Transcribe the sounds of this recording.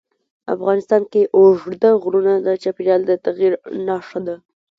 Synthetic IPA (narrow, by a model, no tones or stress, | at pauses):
a̰fɣɑnɪst̪ɑnkeʔoʐd̪əɣɾunad̪ət͡ʃɑpiɾjɑld̪ət̪aɣiɾnɑʂad̪a